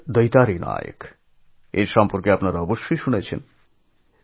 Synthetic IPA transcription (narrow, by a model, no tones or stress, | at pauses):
d̪ojt̪aɾina̰jḛk | eɾʃɔmpoɾkeapnaɾaɔboʃːojʃunet͡ɕʰḛn